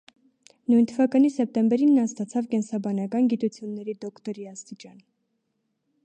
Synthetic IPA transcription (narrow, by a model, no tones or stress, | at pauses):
nujnt̪ʰəvɑkɑnisɛp̚t̪ɛmbɛɾinːɑnst̪ɑt͡sʰɑvkɛnsɑbɑnɑkɑnɡit̪ut͡sʰjunːɛɾid̪ɔkʰt̪ɔɾiɑst̪it͡ʃɑn